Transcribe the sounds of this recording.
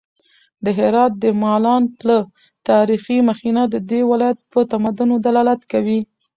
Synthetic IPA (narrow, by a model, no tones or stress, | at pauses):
d̪əɦɪɾɑt̪̚d̪əmɑlɑnplə | t̪ɑɾiximaxinad̪əd̪ewɪlɑjat̪̚pət̪amad̪unod̪alɑlat̪kawi